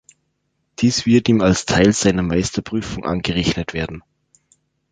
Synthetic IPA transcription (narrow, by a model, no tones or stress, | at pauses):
d̥iːsv̥ɪɐtiːmalstʰaɪlz̥aɪnɐmaɪstɐpʁ̥yːfʊŋʔa̰nɡəʁɛçnətv̥eːɐdn̩